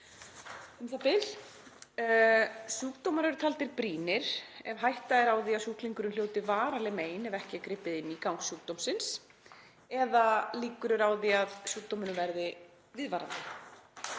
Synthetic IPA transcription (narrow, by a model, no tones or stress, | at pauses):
ɛmθapɪlː | suːk̚t̪owmaɾʏɾʏt̪ʰalt̪ɪɾpɾiːnɪɾ̥ɛvɦajht̪aɪɾawðiaðsuːhkliŋkʏɾʏnljoːwt̪ɪvaːɾalɪmeːjnɛvɛhcɪakɾɪpːɪðɪnːikawŋksjuːk̚t̪owm̥sɪns | ɛðaliːkʏɾʏɾawðiaðsuːk̚t̪owmɪnʏvɛɾðɪ | vɪðvaɾa̰nt̪ɪ